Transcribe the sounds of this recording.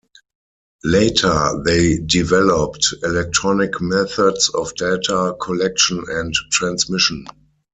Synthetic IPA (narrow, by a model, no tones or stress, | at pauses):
leɪtʰə˞ðeɪdivɛlɔptɛlɛk̚tʰɹɔnɪkmɛθədsɔfdetʰakʰɔlɛk̚ʃə̃nɛ̃ntːɹãnsmɪʃə̃n